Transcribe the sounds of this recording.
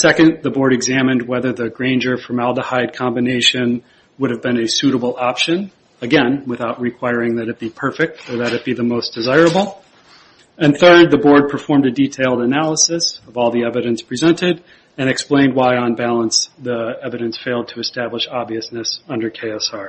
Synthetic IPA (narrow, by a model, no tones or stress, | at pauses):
sɛkɨ̃nðəbɔɹɾɨɡzæmɨ̃nd̚wɛðə˞ðɨɡɹẽɪ̃nd͡ʒə˞fɹʌ̃mælˠdəhaɪd̚kʰɑ̃mbɨneɪʃɨ̃n | wʊɾɨvbɨ̃nɨsʉɾəbl̩ˠɑpʃɨ̃n | əɡɛ̃nwɨθaʊʔ̚ɹɨkʰw̥aɪɹɪ̃ŋðɨɾɨt̚b̥ipʰɜ˞fɪk̚tʰə˞ðɨɾɨt̚b̥iðəmoʊsd̥ɨzaɪɹɨbl̩ˠ | ɨ̃nθɜ˞d̪̚ðɨbɔɹd̚pʰə˞fɔɹmdɨditʰeɪlˠdənælˠəsɨsʌvɔlˠðiɛvɨɾɨ̃nspʰɹ̥izɛ̃ntɪɾ | ɨ̃nɨksplẽɪ̃nd̚waɪə̃nbælˠə̃nsðiɛvɨɾɨ̃nsfeɪlˠd̚tʰɨːstæbləʃɑbviɨsnɨsʌ̃ndə˞kʰeɪɑsɑɹ